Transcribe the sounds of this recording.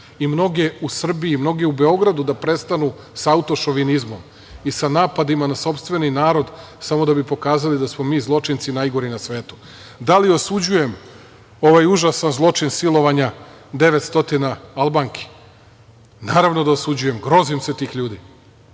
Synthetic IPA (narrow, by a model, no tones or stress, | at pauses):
imno̞ɡeusr̩biimno̞ɡeube̞o̞ɡɾad̪ud̪apɾe̞st̪anu | saut̪o̞ʃo̞ʋinizmo̞m | isanaːpad̪imanaso̞pst̪ʋe̞ninaːɾo̞d̪samo̞d̪abipo̞kaːzalid̪asmo̞miːzlˠo̞t͡ʃint̪sinajɡo̞ɾinasʋe̞ːt̪u̥ | d̪alio̞sud͡ʑuje̞m | o̞ʋajuʒasanzlˠo̞t͡ʃinsilˠo̞ʋaɲa | d̪e̞ʋet̪st̪o̞t̪inaalbaŋkʰe̥ | naːɾaʋno̞d̪aosud͡ʑuje̞mɡɾo̞zimse̞t̪iːxʎuːd̪i